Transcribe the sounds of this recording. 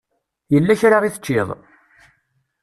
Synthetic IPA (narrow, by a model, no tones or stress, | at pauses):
jəlːæçɾaɾˤiθə̥t͡ʃːɪðˤ